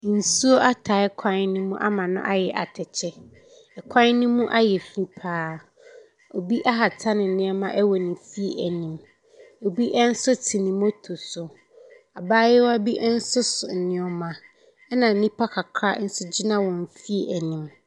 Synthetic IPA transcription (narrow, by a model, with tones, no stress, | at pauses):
n̩˨su˦o˦ʔa˦tʰa˨˦ɪ˦kʷʰã˦n˦nʊ̃˦mũ˦ʔa˦mã˨nʊ̰̃˦ʔa˦jɛ˨ʔa̰˨tʰɛ˨t͡ɕʰɛ˦ | ɛ˨kʷʰã˦n˦nʊ̃˦mũ˦ʔa˦jɛ˨fi˦pʰaː˦ | o˨bi˦ʔa˦ɦa˨tʰa˦nɪ̃˨n̩˨nɪ̃˦ɛ˦mã˦ʔɛ˦wɔ˨nɪ̃˨fi˦e˨ʔæ˨nĩ˨m | o˨bi˦ʔɛ˦n̩˦sʊ˦tʰi˨nĩ˨m˦o˦tʰo˨sʊ˨ | a˨baː˦jɛ˦wɔ˦a˦bi˦ʔɛ˦n̩˦sʊ˦sʊ˨n̩˨nɪ̃˨˦ɔ˨mã˨ | ɛ˦nã˨n̩˨nĩ˦pʰa˦kʰa˨kʰɾa˦n̩˦sʊ˦d͡ʑi˦nã˦wɔ̃˨n˨fi˦e˨ʔæ˨nĩ˨m